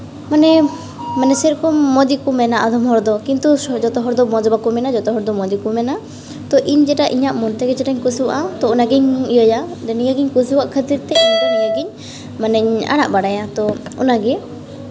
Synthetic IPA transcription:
manɛ | manɛsɛɾkɔːɔd̪ikumɛnaʔad̪ɔmɦɔɾd̪ɔkint̪ud͡ʒɔt̪ɔɦɔɾd̪ɔmɔd͡ʒɔbakumɛnad͡ʒɔt̪ɔɦɔɾd̪ɔmɔd̪ikumɛna | t̪ɔʔiɲd͡ʒɛʈaʔiɲaʔmɔnt̪ɛɡɛd͡ʒɛʈaɲkusiwa̰ʔat̪ɔɔnaɡiɲijɔjad̪ɛnijaɡiɲkusiwaʔkʰət̪iɾt̪ɛiɲdɔnijaɡiɲ | manɛɲa̰ɽ̃a̰ʔbaɽajat̪ɔɔ̰naɡɛ

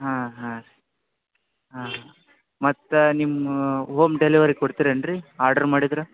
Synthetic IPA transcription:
ɦãːɦã | ɦãːa | mɐt̪ːnimɦoːmɖeliʋɐɾikkoɽt̪iːɾɐɳɖɾiaːɾɖɐɾmaːɽid̪ɾu

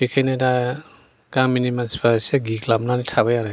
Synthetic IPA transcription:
ekʰajnada | kamːinimanspaseɡiklabnanitʰabajaɾa

